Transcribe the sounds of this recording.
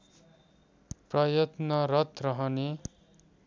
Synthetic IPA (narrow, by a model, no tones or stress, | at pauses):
prʌjʌt̪nʌrʌt̪rʌɦʌne